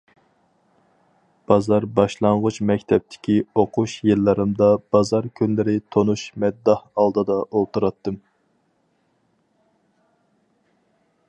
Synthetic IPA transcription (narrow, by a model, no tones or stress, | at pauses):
b̥ɑzɑɾbɑʃlˠɑɴʁʊt͡ʃmɛkʲt̪ʰɛp̚t̪ʰɪ̥kʲʰioqʰuʃjilːɨɾɨmd̪ɑb̥ɑzɑɾkʲʰynlɪɾɪt̪ʰonuʃmɛd̪ːɑhɑlˠd̪ɨd̪ɑʔolˠt̪uɾɑt̪ːɨm